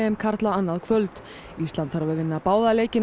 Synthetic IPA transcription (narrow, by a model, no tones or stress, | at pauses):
ɛɛmkʰaɾ̥t̪laanːaðkʰvœlt̪ | ist̪lant̪θaɾvɪðvɪnːapaːwðaleːjcɪn